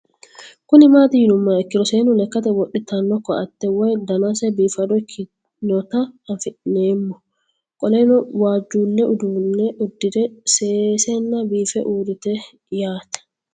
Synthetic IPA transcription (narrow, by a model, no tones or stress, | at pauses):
kʊnɪmaːt̪ɪjɪnʊmːɐɛkːɪd̪ɔseːnʊnɛkːɐt̪ɛwɔʔɪt̪ɐnːɔkːɔɐt̪ːɛwɔjd̪ɐnasɛbiːfɐd̪ɔkʰːɪ | nɔt̪ɐɐfɪᶑneːmːɔ | kʼɔlɛnɔwaːd͡ʒːuːnːɛʔʊd̪uːnːɛʔʊd̪ːɪd̪ɛseːsɛnːɐbiːfɛʔuːd̪ɪt̪ɛ | jaːt̪ɛ̥